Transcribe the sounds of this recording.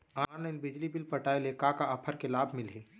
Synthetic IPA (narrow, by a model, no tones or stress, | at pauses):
aaɾnenbɪd͡ʒlibɪlpɐʈaːeleːkakaʔɐpʰəɾkelaːbʱmɪlɦeː